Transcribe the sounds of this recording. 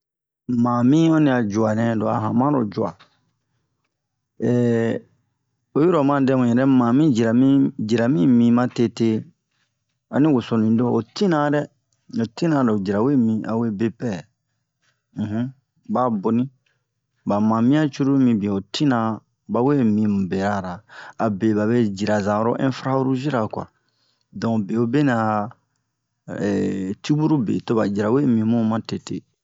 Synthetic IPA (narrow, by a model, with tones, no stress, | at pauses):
mãː˨mĩ˦ɔ˦nĩ˧a˨d͡ʒu˨a˨nɛ̃˨˦do˨a̰˨ɦã˨mã˦ɾo˨d͡ʒu˨a̰˨ | ɛː˨ | o˦ju˦ɾo˨mã˦dɛ˦wũ˨ɛ˨ɾɛ˦mãː˨mĩ˦d͡ʒi˨ɾa˨mĩ˦d͡ʒi˨ɾa˨mĩ˦mĩ˨mã˦te˧te˦ | a˨nĩ˦wo˨so˨nĩ˨˦do˦˨o˨tĩ˦nã˨˦ɾɛ˦ | o˨tĩ˦nã˨˦ɾɛ˨o˨d͡ʒi˨ɾa˨we˦˨mĩ˨ʔa̰˨we˦be˧pɛ˦˨ | ɦũ˦ | ba˦bo˨nĩ˦ | ba˨mã˨mĩ˦a˦t͡ʃu˦ɾu˦mĩ˧bĩ˨o˨tĩ˦nã˨ | ba˨we˦mĩ˧mũ˨be˨ɾa˦˨ɾaː˨be˨ba˨βe˦d͡ʒi˨ɾa˨zã˨ɾo˦ʔɛ̃˦fɾa˦u˦ɾu˦ʒi˦ɾa˨ka̰˨ɾa˨ | dɔ̃˨be˨o˦be˦nã˨ | ɛ˨ti˦bu˦ɾu˦bḛ˨to˦ba˨d͡ʒi˨ɾa˨we˦mĩ˨mũ˦mã˦te˨tḛ˨